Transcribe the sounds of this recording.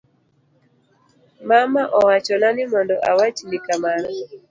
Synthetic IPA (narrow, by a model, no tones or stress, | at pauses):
mamaʔɔwat͡ʃɔnanɪmɔndɔʔawat͡ʃnɪkamaɾɔ